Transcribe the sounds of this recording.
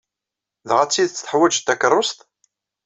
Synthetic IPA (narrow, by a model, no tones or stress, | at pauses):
ðʁat͡sːiðt͡sːθəħwæd͡ʒt̪ːækərˤːost̪